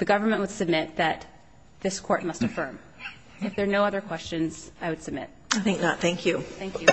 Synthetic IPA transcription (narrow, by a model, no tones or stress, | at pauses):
ðɨɡʌvə˞mɨ̃nʔwəd̥sɨb̚mɪt̪̚ðɨt̪̚ | ðɪskʰɔɹt̚mʌstɨfɜ̃˞m | ɨfðə˞noʊʌðə˞kʰw̥ɛst͡ʃɨ̃nz̥aɪwɨd̥sɨb̚mɪ̰t̚aɪθɪ̃ŋk̚nət̪̚θæ̃ŋkʰjʉθæ̃ŋkʰjʉ